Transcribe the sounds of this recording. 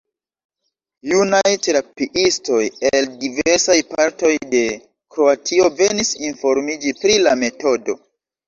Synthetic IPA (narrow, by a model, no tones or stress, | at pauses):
junajteɾapiʔisto̞jeldiveɾsajpaɾto̞jde̞ | kɾo̞atʰio̞ve̞nisinfo̞ɾmid͡ʒipɾilame̞to̞do̞̰